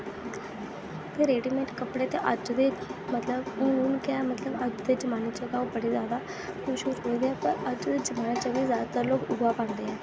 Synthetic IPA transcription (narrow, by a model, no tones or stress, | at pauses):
p̪ʰeːɾeːɖiːmẽːʈkəpɽeːt̪eːʔəd͡ʒd̪eːmət̪ləbʊnuːnkɛːmət̪ləbəd͡ʒd̪eːd͡ʒəmaːniːt͡ʃəɡaːobəɽeːzjaːd̪aː | kʰʊʃuɾoid̪eɛːpəɾəd͡ʒd̪eːd͡ʒəmaːnet͡ʃəɡiːzjaːd̪at̪əɾloːkʊɡʋaːpãːnd̪eːɛː